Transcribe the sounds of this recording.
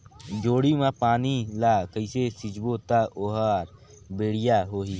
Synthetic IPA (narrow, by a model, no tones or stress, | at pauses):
d͡ʒoːɽimãpaːnilaːkəɪsesɪd͡ʒbot̪aoːɦaːɾ | beːɽɪjaːɦoːɦiː